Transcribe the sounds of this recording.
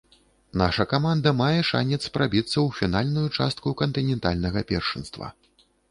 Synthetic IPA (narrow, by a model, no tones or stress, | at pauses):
naʂɐkamand̪ɐmajɛʂa̰nʲɛt̪sːpɾabʲit̪sːɐwfʲinalʲnujut͡ʂa̰st̪̚kukɐnt̪ɨnʲɛnt̪alʲnɐɣɐpʲɛ̰rʂɨ̰nst̪vɐ̰